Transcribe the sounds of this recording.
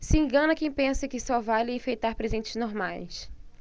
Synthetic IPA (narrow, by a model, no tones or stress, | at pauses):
sɪĩɡɐ̃nɐkẽj̃pẽsɐkɪsɔvalɪẽfejt̪aɾpɾezẽnt͡ʃɪznoɾma̰js